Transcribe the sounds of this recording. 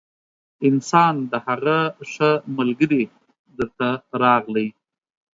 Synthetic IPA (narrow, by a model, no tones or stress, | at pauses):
ɪnsɑnd̪əhaɣaʂəmalɡəɾi | d̪əɾt̪aɾɑɣləj